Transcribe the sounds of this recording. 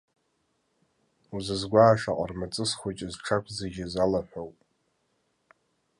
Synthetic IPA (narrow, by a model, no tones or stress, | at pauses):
uzɨzɡʷaːʂaqʼa̰rmat͡sʼɨsχʷot͡ʃʼɪzʈ͡ʂʰakʷʰzeɡʲɪzalaħʷᶣowpʼ